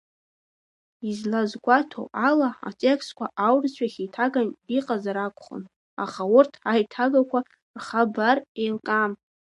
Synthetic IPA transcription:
izlazɡʷʼatʰo̰alaa̰tʼekʰstkʷʰaʔawrt͡ɕʷʰaχʲitʰaɡaniqʼazaɾakʷʰʼχə̰n | a̰χaʊrtʰʕajtʰaɡakʷʰa | rχabarejlkʼam

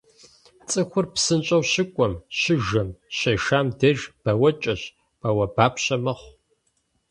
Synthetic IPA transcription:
t͡sʼɨxʷʊrpsɨnt͡ʃʼɐwɕɪkʷʼɔmɕɪʒɐmɕɐʃaːmdɐʒb̥ɐwɐt͡ʃʼɐɕ | pʼɐwɐbaːpʰɕɐmɐχʷ

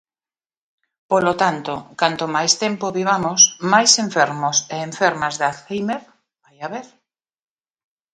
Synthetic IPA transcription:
polot̪ant̪okant̪omajst̪empoβiβ̞amosmajsẽɱfeɾmoseːɱfeɾmazðaθejmeɾ | bajaβeɾ

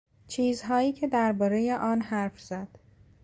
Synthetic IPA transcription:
t͡ʃʰiːzɦɒːjiːcʰe̞d̪æɾbɒːɾe̞je̞ʔɒːnhæɾfz̥æd̪̥

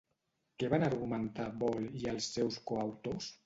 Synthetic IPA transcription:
keβanaɾɣumənt̪abɔlialˠsːɛwskoawt̪os

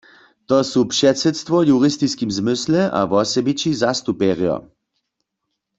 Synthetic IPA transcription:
t̪ɔsupʃɛtsɛt̪st̪ʋɔjuʁist̪iskimzmɪslɛʔa̰ʋɔsɛbit͡ʃizast̪upɛʁjɔ̰

